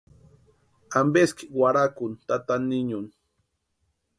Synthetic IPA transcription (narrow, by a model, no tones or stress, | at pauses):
ambeskɪ̥waɾakʊnt̪at̪anɪɲʊn